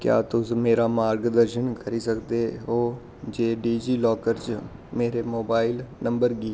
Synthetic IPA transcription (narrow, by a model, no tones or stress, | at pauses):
kja̰ːt̪ʊsmeːɾaːmaːɾɡd̪əɾʃənkəɾisəkd̪eːɦoː | d͡ʒeːɖiːd͡ʒiːlɔːkəɾt͡ʃ | meːɾemoːbaːɪlnə̃mbəɾɡiː